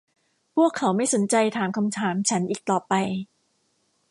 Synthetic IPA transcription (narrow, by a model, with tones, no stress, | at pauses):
pʰu˥˩əkʰːa˩˦wma˥˩jso˩˦nt͡ɕa˧jt̪ʰaː˩˦mkʰa˧mt̪ʰaː˩˦mt͡ɕʰa˦˥nʔiː˨˩k̚t̪ɔː˨˩pa˧j